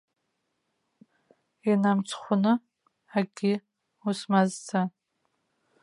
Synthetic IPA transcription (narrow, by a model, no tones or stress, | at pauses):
inamt͡sʷʰχʷʊnɨ | aɡʲi | usmazt͡sʰa